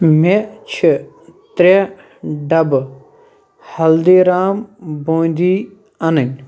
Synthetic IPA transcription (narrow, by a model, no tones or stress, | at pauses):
met͡ʃʰi | t̪ɾe | ɖɐb | hɐld̪iːɾaːmbõːnd̪iː | ɐnənʲ